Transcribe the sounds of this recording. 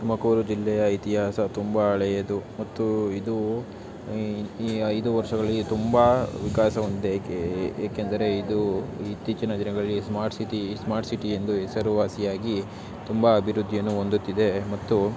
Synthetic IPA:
sumɐkuːɾud͡ʒilːɛjɐit̪iɦaːsɐt̪umbɐːɭɛjɐd̪umɐt̪ːuid̪u | ɐjd̪uʋɐɾʂɐɡɐɭɐit̪umbɐʋikaːsɐʋond̪id̪eeaːkend̪ɐɾe̞id̪uit̪ːiːt͡ʃɐnɐd̪inɐɡɐɭlːismaːɾʈsiʈismaːɾʈsiʈije̞nd̪uɦɛsɐɾuʋaːsijaːɡi | t̪umbɐːbʱiɾud̪ʱːijɐnːuo̞nd̪ut̪ːid̪e̞mɐt̪ːu

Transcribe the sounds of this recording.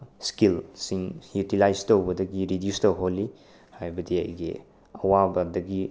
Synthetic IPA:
skilsiŋjutilajstowbɐdɐɡiɾidjustowɦolːi | hajbɐdia̰jɡḛ | ɐwabɐdɐɡi

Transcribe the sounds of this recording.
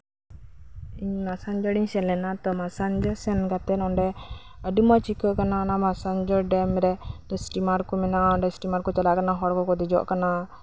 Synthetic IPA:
iɲmasand͡ʒɔɽiɲsɛnlɛnat̪ɔmasand͡ʒɔsɛnkat̪ɛnɔɳɖɛ | əɖimɔt͡ʃikəʔkananamasand͡ʒɔɖɛmɾɛt̪ɔsʈimaɾkɔmɛnaɔɳɖɛsʈimaɾkɔt͡ʃalakanaɦɔɽkɔkɔd̪id͡ʒɔ̰ʔkana

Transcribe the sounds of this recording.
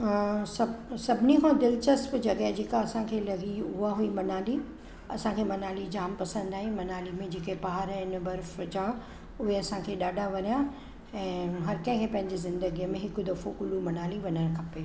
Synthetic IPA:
sɐsɐbʱɪnikʰãːd̪ɪlt͡ɕɐspd͡ʑɐɡəɦd͡ʑeːkaɐsãkʰeːlɐɡiʊɦaɦuimɐnaːli | ɐsãkʰeːmɐnaːlid͡ʑaːmpɐsə̃nd̪aːɦĩmɐnaːlimẽd͡ʑeːkepaɦaɾɛɪn̆bɐɾfd͡ʑaː | ʊɦeɐsãkʰeːɗaːɖʱaʋɐɲija | ɛ̃ːɦɐɾkɐ̃ɪ̃kʰeːpɐ̃ɦɪ̃ɲd͡ʑezɪ̃nd̪əɡiəmẽɦɪkʊd̪ɐfokʊlumɐnaːliʋɐɲəɾkʰɐpeː

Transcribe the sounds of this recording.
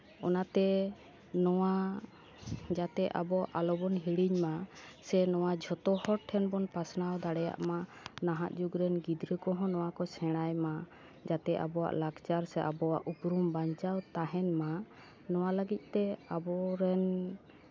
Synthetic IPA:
ɔnat̪ɛ | nɔwa | d͡ʒat̪ɛʔa̰bɔaʔalɔbɔnɦiɽiɲmasɛnɔwad͡ʒʱɔt̪ɔhɔɾʈʰːɛnbɔnpasnawd̪aɽɛja̰ʔma | naɦaʔd͡ʒuɡɾɛnɡid̪ɾəkɔɦɔ̃nɔwakɔsɛɽ̃ajma | d͡ʒat̪ɛʔa̰bɔwa̰ʔlaɡt͡ʃaɾsɛʔabɔwa̰ʔupɾumbaɲt͡ʃawt̪aɦɛnma | nɔwaləɡit̪̚ˀt̪ɛabɔɾɛn

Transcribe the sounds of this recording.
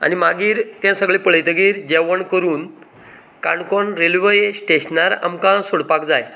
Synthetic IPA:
a̰nimaɡiːɾt̪jãsəɡɭepəɭjt̪əɡiːɾd͡ʑɛʋəɳkəɾuːn | kaɳkɔnɾelʋəjsʈeɕnaɾa̰mkãsoɽpakd͡zaj

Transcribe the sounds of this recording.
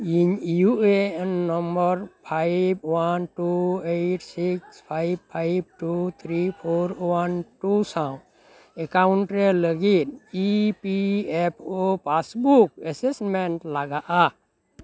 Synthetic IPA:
injuenːəmbəɾpʰaɪbwanʈueʈʰsikspʰaɪb̚pʰaɪb̚ʈut̪ʰɾipʰoɾwanʈusãʊ̃ | ekaʊɳʈɾeləɡit̪ipiepʰopasbukəsesmeɳʈlaɡaʔa

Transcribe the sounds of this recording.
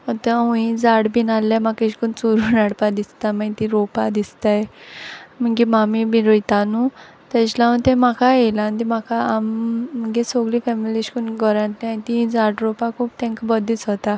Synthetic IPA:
ɔt̪əũĩd͡zaɽbinalːamakeɕkunt͡soɾuːnaɽpad̪ist̪amait̪iɾopad̪ist̪aj | m̤əŋɡimamibiɾojt̪anu | t̪ɛ̃t͡ɕlaũnt̪ẽmakaelant̪imakʰaamməŋɡesoɡlifɛmiliɕkunɡɔɾãnt̪nat̪iĩd͡zaɽɾopakʰuːp̚t̪ɛ̃ŋkbəd̪it͡sɦot̪a

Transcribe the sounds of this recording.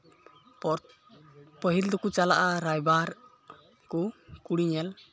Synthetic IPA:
pəɦild̪ɔkut͡ʃalaʔaɾajbaɾ | kukuɽiɲɛl

